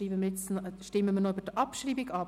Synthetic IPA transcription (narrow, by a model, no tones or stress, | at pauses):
iːbəməjɛt͡snʃtɪməmənoybədəʔɑpʃriːbɪɡɑ